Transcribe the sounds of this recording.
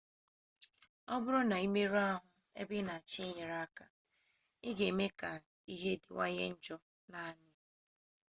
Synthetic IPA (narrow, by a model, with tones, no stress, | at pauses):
ɔ˦bʊ˦ɾɔ˦na˨i˦me˦ɾa˦ɦʊ˦ | ḛ˦bɪ˦na˨a˨t͡ʃi˦ɲe˨ɾa˦ka˨ | ɪ˦ɡe˨me˦ka˨ | i˦ɦe˦dɪ˨wa̰˦ɲḛ˦n̩˦d͡ʒɔ˦ | na˨a˨ɲɪ˦